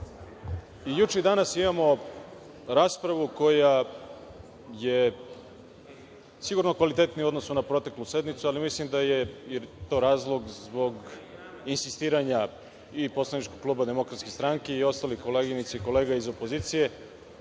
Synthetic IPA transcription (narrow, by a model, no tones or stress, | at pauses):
ijut͡ʃeid̪anasimamo̞ | ɾaːspɾaʋuko̞ja | je̞ | siɡuɾno̞kʋalit̪e̞t̪nio̞d̪no̞sunapɾo̞t̪ekluse̞d̪nit̪sualimislimd̪aje̞it̪o̞ɾaːzlˠo̞ɡzbo̞ɡ | insist̪iːɾaɲa | ipo̞slˠanit͡ʃkoɡ̚klˠuːbad̪e̞mo̞kɾat̪skʲest̪ɾaŋkeio̞st̪aliko̞leɡinit̪saiko̞le̞ːɡaizo̞po̞ziːt̪sije̞